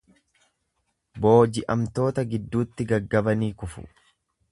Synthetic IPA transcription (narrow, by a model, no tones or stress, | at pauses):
bo̞ːd͡ʒɪʔɐmt̪o̞ːt̪ɐɡɪd̪ːuːt̪ːɪɡɐɡːɐbɐniːkʊfʊ̰